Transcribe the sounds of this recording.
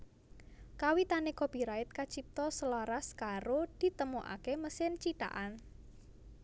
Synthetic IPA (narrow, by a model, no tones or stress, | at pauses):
kawit̪anekob̥i̤ɾaɪt̪̚kat͡ʃip̚t̪ɔsəlaɾaskaɾod̪̥i̤t̪əmuʔa̰keməsɪnt͡ʃit̪a̰ʔan